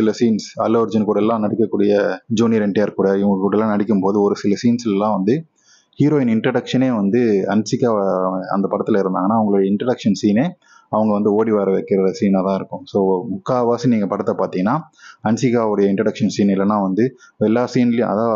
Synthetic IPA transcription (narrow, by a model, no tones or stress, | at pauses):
sɪlɐsiːnsɐlɐʋɾd͡ʒɐnkuːɽɐɛlːãːnɐɽɪkʲːɐkːuːɽɪjɐd͡ʒoːniɾɛɳɖjaːɾkːuːɽɐɪŋɡɐkuːɽɐlːãːnɐɽɪkʲːɯmpoːðɯɔɾɯsɪlɐsiːnslɛlːãːʋɐnd̪ɯ | hiːɾoːjɪnɪɳʈɾɐɽɐkʂɐneːʋɐnd̪ɯɐnsɪkːaːɐ̰nd̪ɐpɐɽɐt̪ːɪlɐɪɾɯnd̪aːŋɡɐnaːʋɐŋɡɐɭʊɽɐjɐɪɳʈɾɐɽɐkʂɐnsiːneː | ɐʋɐŋɡɐʋɐnd̪ɯoːɽiʋaːɾɐʋɛːkːɪɾɐɾɐsiːnat̪ãːɪɾɯkːʊ̃soːmʊkːaːʋaːsiniːŋɡɐpɐɽɐt̪ːɐpaːɾt̪iːŋɡɐnːaːɐnsɪkːaːʋɯɽɐjɐɪɳʈɾɐɽɐkʂɐnsiːnɪlːɐnãːʋɐnd̪ɯɛlːaːsiːnɪljʊ̃ʔɐ̰ðaː